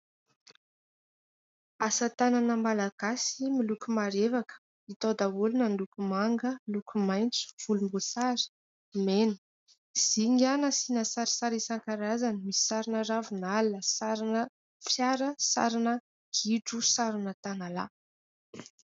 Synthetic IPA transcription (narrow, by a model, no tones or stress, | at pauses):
asət̪ananəmalaɡ̥asimilukumaɾevakə̥ | it̪od̪aulunand̪ukʲumaŋɡəlukʲumajnt͡su̥v̥ulumbosaɾi̥ | menə̥ | z̥iŋanasinəsaɾi̥saɾisaŋkaɾazanimisi̥saɾinəravunaləsaɾinə | fjaɾəsa̰ɾinə | ɡ̥iʈ͡ʂusaɾinət̪anala̰